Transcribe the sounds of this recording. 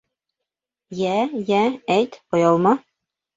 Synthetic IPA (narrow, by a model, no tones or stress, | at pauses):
jæjææjt̪ojɑlˠmɑ